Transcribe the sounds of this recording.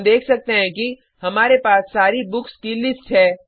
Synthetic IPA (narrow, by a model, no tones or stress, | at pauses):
md̪eːkʰsɐk̚t̪eɦɛ̃ki | hɐmaːɾepaːsːaːɾibʊkskilɪsʈɦɛː